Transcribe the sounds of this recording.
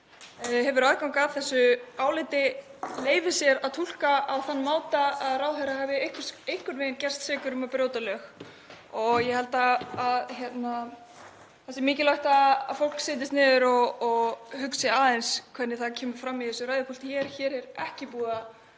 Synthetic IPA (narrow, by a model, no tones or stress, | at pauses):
ɦɛvʏɾaðkawŋkaːvθɛsːʏaːwlɪt̪ɪleːjvɪsjɛɾaðt̪ʰul̥kaawθanːmaːwt̪aaðraːwɦœɾahavɪejhkɾejhkʏɾnveːjncɛ̥st̪sɛːkʏɾʏmapɾjoːwt̪alœx | ɔɣjɛhɛlt̪aːðçjɛt̪na | θɛsɪmɪːcɪlaht̪aa̰fowl̥ksɪːt̪̬ɪst̪nɪːðʏɾɔɣːɣhʏksɪaːðejnskʰvɛnːɪθacʰɛːmʏɾ̥fɾamːiθɛsʏɾaːjðɪpʰɔlt̪çɛːɾ̥çɛːɾɛɾɛhcɪpuːɣa